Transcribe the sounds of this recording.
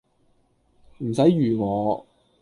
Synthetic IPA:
m̩˨˩sɐ˨˥jjyː˨˩ŋɔː˨˧

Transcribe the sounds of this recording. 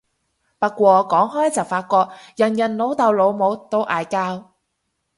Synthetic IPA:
pɐ˥t̚kʷɔː˧kɔː˨˥ŋɦɔː˥jt͡sɐ˨wfaː˧t̚kʷɔː˧k̚jɐ˨˩njɐ˨˩nlo˨˥wt̪ɐ˨˧wlo˨˧wmo˨˧˥wt̪o˥wʔaː˨˧jkaː˥w

